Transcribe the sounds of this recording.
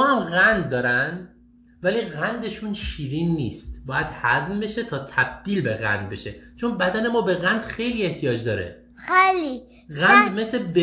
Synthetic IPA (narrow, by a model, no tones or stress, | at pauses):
mɒːhæmɣænd̪ːɒːɾænd̪ | væliːɣænd̪eʃuːnʃiːɾiːnːiːst̪bɒːjæd̪̥hæznbe̞ʃet̪ʰɒːt̪ʰæb̚d̪̥iːlbe̞ɣæ̰nd̪̚be̞ʃe̞t͡ʃʰonbæd̪æne̞mɒːbe̞ɣænd̪̥xe̞jliːe̞ht̪ʰijɒːd͡ʒd̪ɒːɾḛ | eli | ɣænd̪me̞sebe